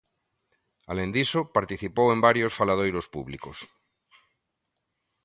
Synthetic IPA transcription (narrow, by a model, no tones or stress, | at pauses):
alẽnd̪isopaɾt̪iθipowẽmbaɾjosfalað̞ojɾospuβlḭkos